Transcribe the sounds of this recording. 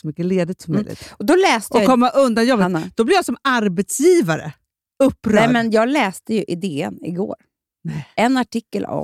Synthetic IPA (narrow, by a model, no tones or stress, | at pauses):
smʏkːəleːd̪ɪt̪sɔmːœjlɪ̰t̪ɔd̪ɔlɛːst̪ɔkʰɔmːaʔɵnd̪anjɔbːətnad̪̥ɔblɪvjasɔmaɾbɛt̪sjiːvaɾə̰ | ɵpːɾœɛmɛnjɑːɡlɛːst̪əjɵʔɪd̪eːə̰nɪ̰ɡo̰ːɾ | nɛɛnaʈɪkːəla̰